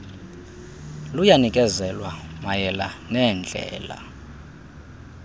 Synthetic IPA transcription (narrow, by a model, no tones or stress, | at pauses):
lujanikʼɛzɛlwamajɛlanɛnd͡ɮʱɛ̰ːla̰